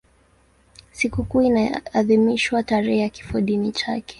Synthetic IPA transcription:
sikukuːinaːðimiʃwataɾɛhɛjaki̥fɔɗinit͡ʃakɛ̥

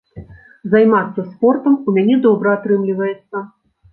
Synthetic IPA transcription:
zajmat̪sːɐspɔrt̪ɐmumʲanʲɛd̪ɔbɾɐat̪ɾɨmlʲivɐjɛt̪sːɐ

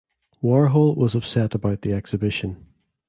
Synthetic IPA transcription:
wɔɹɦolˠwʌzʌpsɛʔəbaʊʔ̪̚ðiɛksɨbɪʃə̃n

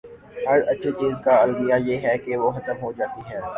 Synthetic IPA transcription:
hɐɾɐtːʃʰet͡ʃiːzkaɐlbijajeːɦɛkeʋoxɐt̪əmɦod͡ʒaːt̪iɦɛ̃ː

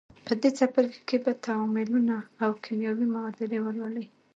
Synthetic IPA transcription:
pəd̪et͡sapəɾkebat̪ʰawɔmɪlunaːwkʰɪmjɑwimawad̪aɾewələli

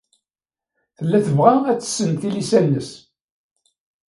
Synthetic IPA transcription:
θəlːæθəvʁææt͡sːə̥sːənθilisænːəs

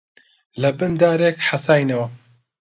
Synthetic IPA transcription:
lɐbɨnd̪aːɾeːkħasaːjnɐwɐ

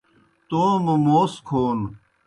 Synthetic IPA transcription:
t̪oːmumoːskʰoːn

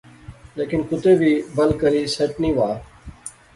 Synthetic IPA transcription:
leːkɪnkʊt̪eːbʱiːbəlkəɾiːseʈnĩːʋaː

